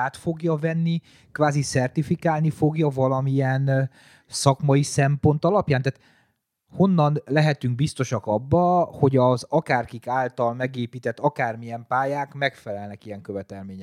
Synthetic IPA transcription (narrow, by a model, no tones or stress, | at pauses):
aːt̪fo̞ɡjɒvɛnːi | kvaːzisɛrt̪ifikaːlnifo̞ɡjɒvɒlɒmijɛn | sɒkmɒisɛmpo̞nt̪ɒlɒpjaːnt̪aːt̪ | ho̞nːɒnlɛɦɛt̪yŋɡ̚bist̪o̞ʃɒkɒbːɒho̞ɟɒzɒkaːrkikaːlt̪ɒlmɛɡeːpiːt̪ɛt̪ːɒkaːrmijɛmpaːjaːkmɛkfɛlɛlnɛkijɛŋkøvɛt̪ɛlmeːɲɛ